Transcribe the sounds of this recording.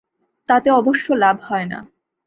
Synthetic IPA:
t̪at̪eɔboʃːolabʱhɔena̰

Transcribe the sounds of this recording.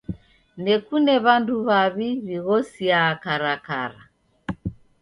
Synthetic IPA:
nɛkunɛβanduβaβiβiɣɔsiakaɾaka̰ɾa

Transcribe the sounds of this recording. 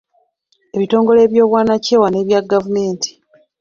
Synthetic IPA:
e̞βito̞ːŋɡo̞le̞ːβjo̞ːβwaːnace̞ːwane̞ːβjaɡavume̞ːntʰi̥

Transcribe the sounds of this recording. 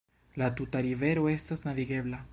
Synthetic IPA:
lat̪ut̪aɾive̞ɾoest̪aznaviɡeβla

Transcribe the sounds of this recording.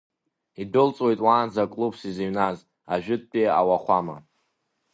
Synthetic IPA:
idɨlt͡sʼwejtʼwaːnzakʼlubsiziɥnaz | aʒᶣʊtʼːea̰waχʷama̰

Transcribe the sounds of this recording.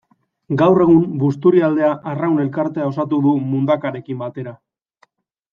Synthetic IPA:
ɡawre̞ɣumbust̪uɾiald̪e̞aʔarawne̞lkaɾt̪e̞ao̞sat̪uð̞umund̪akaɾe̞kimbat̪e̞ɾa

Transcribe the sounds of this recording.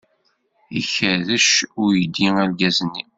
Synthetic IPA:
içæðəʃʊɾjəd̪iŋælɡæzənːi

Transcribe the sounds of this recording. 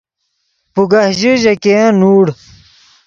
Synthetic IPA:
puɡahʑiʑɐkẽnuːɽ

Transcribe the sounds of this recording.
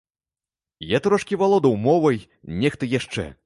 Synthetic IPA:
jat̪ɾɔʂkʲivalˠɔd̪ɐwmɔvɐj | nʲɛxt̪ɐjaʂt͡ʂɛ̰

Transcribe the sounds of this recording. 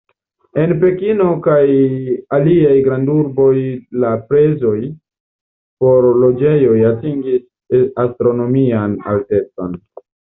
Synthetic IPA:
e̞npe̞kino̞kajaliajɡɾanduɾbo̞jlapɾe̞zo̞j | po̞ɾlo̞d͡ʒe̞jo̞jatiŋɡis | astɾo̞no̞miana̰lte̞t͡so̞̰n

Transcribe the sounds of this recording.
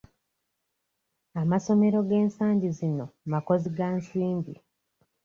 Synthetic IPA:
amaso̞me̞ɾo̞ɡe̞ːnsaːɲɟizino̞mako̞ziɡansiːmbi

